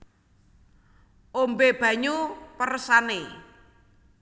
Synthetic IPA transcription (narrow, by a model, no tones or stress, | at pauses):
ombeb̥ä̤ɲupəɾəsane